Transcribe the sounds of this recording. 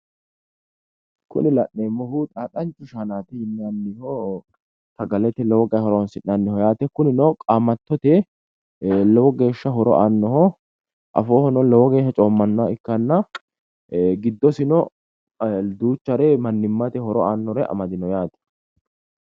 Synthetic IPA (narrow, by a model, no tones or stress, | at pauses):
kʊ̰nɪlɐʔeːmːɔhuːt̪ʼaːkʼɐnt͡ʃʼːʊʃanaːt̪ɛhɪnːɪanːɪho | t̪ɐɡɐlɛt̪ɛlɔwɔɡɐjhɔɾɔwnsɪnːanːɪhɔjaːt̪ɛkʊnɪnɔkʼaːmɐt̪ːɔt̪ɛ | lɛwɔɡe̞ːʃːɐɦɔɾɔ̰ʔaːnːɔhɔ | ʔɐ̰foːhɔnɔlɔwɔɡe̞ːʃːɐt͡ʃʼoːmːɐnːɔwaɪkːɐnːɐ | ɡɪd̪ːɔsɪnɔ | d̪uːt͡ʃːɐɾɛmɐnːɪmːɐt̪ɛhɔɾɔaːnːɔɾɛʔɐ̰mɐd̪ɪnɔjaːt̪ɛ̥